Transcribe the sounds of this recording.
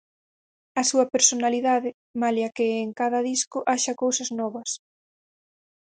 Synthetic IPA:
ɐsuɐpeɾsonaliðaðɪ | maleɐkɪːŋkaðɐðiskʊʔaʃɐkowsɐznɔβɐs

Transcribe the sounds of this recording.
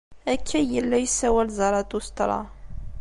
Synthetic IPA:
ækʰːæjəlːæjsæwælzˤɑɾˤɑt̪ust̪ɾˤɑ̰

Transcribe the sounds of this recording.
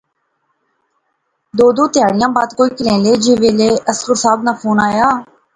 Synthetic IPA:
d̪oːd̪oːt̪ɪjaːɽɪjãːbaːd̪koːiːkɪlẽːleːd͡ʒeːʋeːleːʔəskəɾsaːbnaːpʰoːnaːjaː

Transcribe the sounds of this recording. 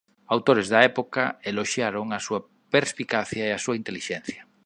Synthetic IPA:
awt̪oɾezðɐɛpokaeloʃjaɾoŋasuɐ | peɾspikaθjaeasuaint̪eliʃɛn̟θja

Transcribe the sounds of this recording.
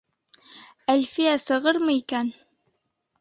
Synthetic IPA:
ælfijæsɤ̆ʁɤɾmɤikæn

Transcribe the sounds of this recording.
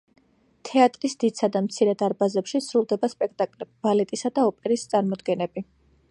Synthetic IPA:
t̪ʰɛat̪ʼɾisd̪̥it̪sʰad̪amt̪sʰiɾɛd̪aɾbazɛpʃisɾulˠd̪ɛbaspʼɛkʰt̪ʼakʼlɛbbalɛt̪ʼisad̪aɔpʼɛɾist̪sʼaɾmɔd̪ɡɛnɛbi

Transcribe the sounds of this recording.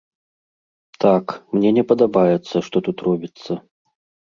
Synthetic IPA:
t̪akmnʲɛnʲɛpɐd̪abajɛt̪sːɐʂt̪ɔt̪ut̪rɔbʲit̪sːɐ

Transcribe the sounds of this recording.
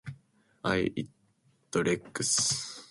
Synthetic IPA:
ajit̪ː | oɾekːɨ̥s

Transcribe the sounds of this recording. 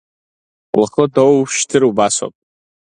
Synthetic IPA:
laχədowʃtʰɨɾubasa̰pʼ

